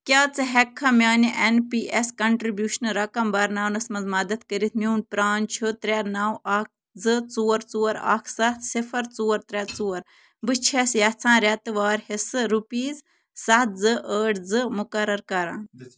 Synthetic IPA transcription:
kʲaːt͡sɨɦɛkʰːɐmʲjaːniʔenpiːʔeskɐɳʈɾibjuːʃnɾɐkɐmbɐɾnaːwnɐsmɐnzmɐd̪ɐt̪kəɾit̪̚ʰnʲuːnpɾaːnt͡ʃʰut̪ɾʲɛɾnaːwʔaːk̚ʰ | zɨt͡suːɐɾt͡suːɐɾa̰ːkʰsɐt̪sifɐɾt͡suːɐɾt̪ɾʲɛt͡suːɐɾ | bɨt͡ʃʰesjɐt͡sʰãːɾʲɐt̪ɨʋaːɾhesɨɾupiːz | sɐt̪̚zɨʔəːʈd͡zɨmʊkɐɾɐɾkɐɾãːn

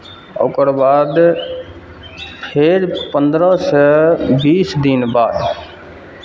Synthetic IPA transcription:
o̰ːkəɾbaːd̪ | pʰeɾpənd̪ɾəsəbiːsd̪inbaːd̪

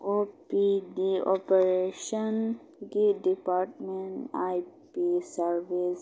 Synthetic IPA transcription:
oːpidiɔ̰peɾeʃən | ɡiɖipaːɾʈmẽɳajpisəɾʋis

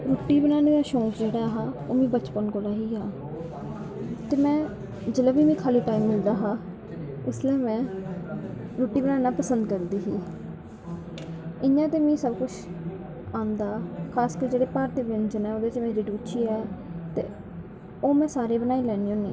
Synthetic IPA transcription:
ɾoːʈːiːbənaːneːdaːʃõːkd͡ʒeːɽaːɦaːoːmĩːbət͡ʃpənkoːlaːɦiːɦaː | t̪eːmɛ̃ː | d͡ʒɪlaːbiːmĩːkʰaːliːʈaːiːmːɪld̪aːɦaː | ɪslɛːmɛ̃ː | ɾoːʈːiːbənaːnaːpəsə̃nd̪kəɾd̪iːɦiː | ɪjãːt̪eːmĩːsəbkʊt͡ʃʰ | ãːnd̪aːkʰaːskəɾd͡ʒeːɽeːpaːɾt̪iːbɪnd͡ʒənɛːoːd̪eːt͡ʃmeːɾiːɖuːt͡ʃʰiːɛːt̪ḛː | oːmɛ̃ːsaːɾeːbənaːiːlɛːniːõːnḭ̃ː

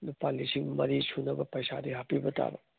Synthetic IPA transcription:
nupalːisiŋmɐɾisʰunɐbɐpɐjsadiɦapibɐta̰bɐ

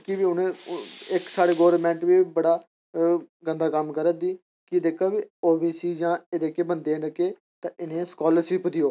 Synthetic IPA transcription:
kɪʋiːʊnẽːɪksaːɽeːɡoːɾmɛ̃ːɳʈʋiːbəɽaː | ɡənd̪aːkəmkəɾəd̪iː | kɪd̪eːkʰaːʋiːoːbiːsiːd͡ʒãːeːd̪eːkeːbənd̪eːnəkeː | t̪ãːʔɪnẽːskɔːləɾʃɪpd̪ɪjoː

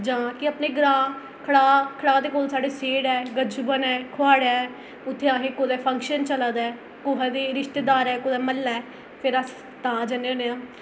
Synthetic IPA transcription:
d͡ʒãːkɪəpneːɡɾaː | kʰəɽaːkʰəɽaːd̪eːkoːlsaːɖeːseːɽɛːɡəd͡ʒbənɛːkʰoaːɽjaːɛ | ʊt̪ʰːeːaːɦẽːkoːd̪ɛːpʰəŋkʃənt͡ʃəlaːd̪ɛː | koɦɛːd̪eːɾɪʃt̪eːd̪aːɾɛːkoːd̪ɛːməlːɛː | pʰɪɾəs | t̪aːd͡ʒəneneãː

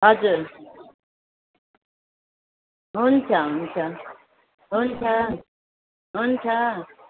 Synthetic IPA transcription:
ɦʌd͡zuɾ | ɦunt͡sʰʌɦunt͡sʰʌ | ɦunt͡sʰʌ | ɦunt͡sʰʌ

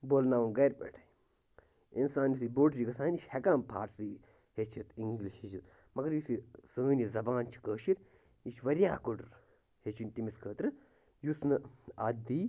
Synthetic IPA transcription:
boːlnaːʋuɡɐɾpḛːʈʰɐj | insaːnjusiboːʈd͡ʒiɡɐsaːnʲiʃʲhekaːmpʰa̰ːʈsi | het͡ʃʰit̪iŋɡliʃhet͡ʃʰit̪ | mɐɡɐɾjisisəːnizɐbaːnt͡ʃʰi̥kəːʃiɾ | iʃʋɐɾʲjaːkuɖɾ | het͡ʃʰinʲtimiskʰəːt̪ɾɨ | jusnɨad̪iː

